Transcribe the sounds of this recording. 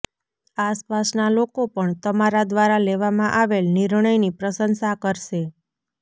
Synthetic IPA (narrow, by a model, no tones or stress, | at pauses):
aspasnalokopəɳt̪əmaɾad̪ʋaɾaleʋamãʔaʋelnɪɾɳəjnipɾəsənsakəɾʃe